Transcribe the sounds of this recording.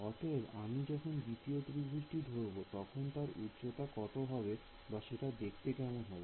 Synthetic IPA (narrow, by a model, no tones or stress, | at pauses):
ɔt̪ʰebamid͡ʑɔkʰond̪it̪iot̪ɾibʱɾiʃʈid̪ʱoɾbot̪ɔkʰont̪aɾut̪t͡ɕot̪akɔt̪obʱabe | baʃeʈad̪ekʰt̪ekɛmonɦɔbe